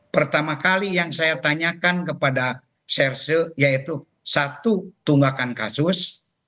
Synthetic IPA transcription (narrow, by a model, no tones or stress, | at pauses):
pərt̪amakalijaŋsajat̪aɲakankəpada | sɛrsəjait̪u | sat̪ut̪uŋɡakankasus